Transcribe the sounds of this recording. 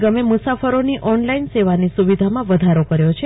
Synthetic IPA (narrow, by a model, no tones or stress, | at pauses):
ɡəmemusafəɾoniʔɔnlainseʋanisuʋid̪ʱamãʋəd̪ʱaɾokəɾjot͡ʃʰe